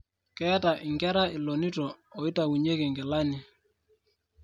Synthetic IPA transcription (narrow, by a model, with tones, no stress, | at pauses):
kɛ˦ta˨ʔɪ˨ŋɡɛ˦ɾa˦ɪ˨lo˨ni˦tɔː˨i˦ta˨wu˨ɲe˦ke˨ŋɡɪ˨la˦ni˨